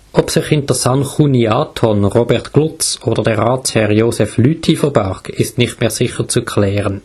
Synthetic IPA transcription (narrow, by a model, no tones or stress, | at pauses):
ʔɔpsɪχhɪntəsanχuniaːtʰɔnʁobɛʁtɡ̥lʊt͡soːd̥əʁdɛʁaːshɛʁjoːsɛflyːtʰifəʁbaʁkɪstnɪχtmeːʁsɪχəʁt͡sukʰlɛːʁən